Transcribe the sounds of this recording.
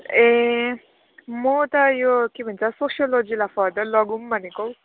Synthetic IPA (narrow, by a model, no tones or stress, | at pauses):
ẽ | mɔt̪ʌjokebʱənt͡sʰasoʃjolod͡ʒilafɔɾd̪əɾlʌɡumbʱʌneko